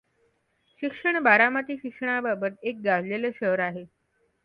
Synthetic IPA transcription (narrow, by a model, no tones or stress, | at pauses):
ɕikʂəɳ̃baɾamat̪iːɕikʂəɳababət̪ek̚ɡaʋleləɕəɦɾaɦe